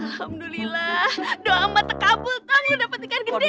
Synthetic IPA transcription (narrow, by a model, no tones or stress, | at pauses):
alhamdulilahdoamat̪əkabʊlt̪ɔŋjudapət̪ikanɡəde